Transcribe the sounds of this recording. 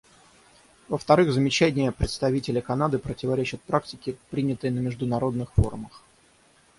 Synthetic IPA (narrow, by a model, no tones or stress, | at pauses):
vəft̪ɐɾɨɣzəmʲɪt͡ɕænʲɪjəpɾʲɪt̪st̪ɐvʲitʲɪlʲɪkɐnad̪ɨpɾətʲɪvɐɾʲet͡ɕɪt̪̚pɾaktʲɪkʲɪpɾʲinʲɪt̪əjnəmʲɪʐd̪ʊnɐɾo̞d̪nɨxfo̞̰rməx